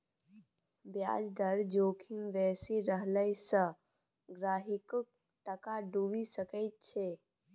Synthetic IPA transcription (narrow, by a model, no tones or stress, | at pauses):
bja̰ːd͡ʒd̪əɾd͡ʒoːkʰimʋɛːsiɾəɦləjsə̃ | ɡɾaːɦɪk | ʈəkaɖuʋisəkəɪt̪̚t͡ʃʰe